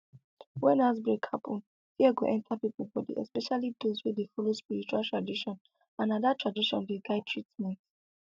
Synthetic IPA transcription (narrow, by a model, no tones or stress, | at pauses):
wɛ̃nazbɛkʰapʰɔ̃n | hiaɡoʔɛ̃ntʰapiplbɔdḭɛ̰spɛʃalid̪ozwedefɔlospiɹit͡ʃuwaltʰɹadiʃɔ̃n | ãnadatʰɹadiʃɔ̰̃ndeɡaɪtʰɹitmɛ̃nt